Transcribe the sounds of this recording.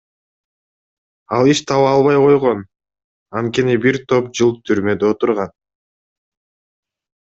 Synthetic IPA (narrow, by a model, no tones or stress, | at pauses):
ɑlˠiʃt̪ʰɑβɑlˠβɑjqo̞jʁo̞n | ɑnt̪̚ke̞nibiɾt̪ʰo̞p̚d͡ʒɯlˠt̪ʰyɾmø̞d̪eot̪uɾʁɑn